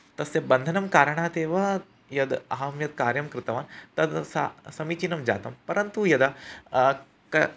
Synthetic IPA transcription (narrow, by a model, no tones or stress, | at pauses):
t̪ɐsebɐnd̪ʱɐnɐmkaːɾɐɳ̃aːt̪eːʋɐ | jɐd̪ɐɦamjɐd̪̚kaːɾjɐmkɾɪt̪ɐʋaːnt̪ɐd̪sasɐmiːt͡ʃinɐmd͡ʒa̰ːt̪ɐmpɐɾɐnt̪ujɐd̪ | kɐ